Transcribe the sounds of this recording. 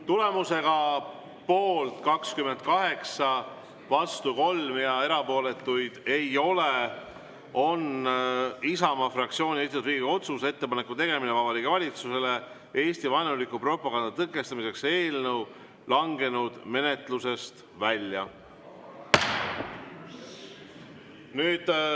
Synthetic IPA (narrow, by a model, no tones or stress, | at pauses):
t̪ule̞muse̞ɡ̥ɑ | po̞ːlt̪kɑkskyme̞nd̪̥̚kɑɦe̞ksɑ | vɑst̪uko̞lmjɑe̞ɾɑpo̞ːle̞t̪ːˑujd̪̥e̞jo̞le | o̞n | isɑmɑfrɑk̚t̪sio̞ːnʲiesit̪ut̪ɾiːɡ̥o̞t̪sus̬e̞t̪ːe̞pɑnekːˑut̪e̞ɡe̞minevɑb̥ɑlikːˑevɑlʲit̪suse̞le̞ | e̞ːsʲt̪ivɑjnulikːupro̞pːˑɑɡ̥ɑnd̪̥ɑt̪ɤkːˑe̞st̪ɑmise̞kse̞ːlnəw | lɑŋɡe̞nud̪̥me̞ne̞t̪ˑluse̞st̪ | vælʲjɑ | nyːd̪̥